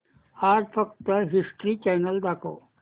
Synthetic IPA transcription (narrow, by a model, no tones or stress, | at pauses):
aːɾpʰɐkt̪əɦisʈɾit͡ʃɛːnəld̪aːko̰ː